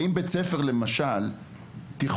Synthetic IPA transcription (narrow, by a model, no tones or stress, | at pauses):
imbet͡sefeʁlemaʃal | t̪iχ